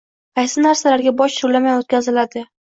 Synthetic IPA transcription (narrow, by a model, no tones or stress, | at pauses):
qʰɑjsɪnaɾsalaɾɡʲabɒʃt̪ʊɾlamajot̪̚kʲʰazɪlad̪ɪ